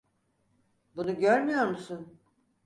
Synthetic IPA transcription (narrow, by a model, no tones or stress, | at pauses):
bunuɟøɾmyjo̞ɾmusun